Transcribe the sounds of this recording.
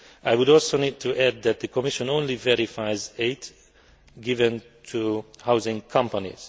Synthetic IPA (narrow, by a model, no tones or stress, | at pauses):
ʔaɪwʊɾɔlˠsonid̚tʰuʔæd̪̚ðɨt̪̚ðəkʰɔmɪʃə̃nõnlivɛɹifaɪzeɪt | ɡɪvə̃n | tʰuhaʊzɪ̃ŋkʰʌ̃mpənḭz̥